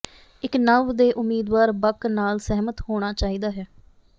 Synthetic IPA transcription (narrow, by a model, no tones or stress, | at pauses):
ɪknəʋd̪eːʔʊmːiːd̪ʋaːɾbəknaːlsɛɦmət̪hoːɽ̃aːt͡ʃaːiːd̪aːɦɛː